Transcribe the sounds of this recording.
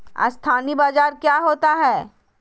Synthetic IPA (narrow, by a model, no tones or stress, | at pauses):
a̰st̪ʰaːnibaːd͡ʒaːɾkjaːɦoːt̪aɦɛː